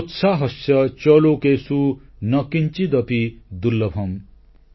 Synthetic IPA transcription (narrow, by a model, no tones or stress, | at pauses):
ut̪sʰaɦʌsjʌt͡ʃʌlokesunʌkint͡ʃid̪ʌpid̪ulːʌpʰʌm